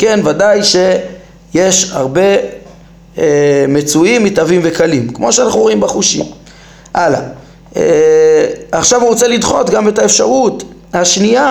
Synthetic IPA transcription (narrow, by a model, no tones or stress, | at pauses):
ke̞nvadajʃe̞ | je̞ʃha̰ʁbe̞ | emet͡suimːit̪avimvekalimkmo̞ʃeanaχnuoimbeχuʃḭm | ʔala̰ | e | aχʃavuʁot͡selidχo̞t̪ɡame̞taefʃaʁut̪ | haʃnia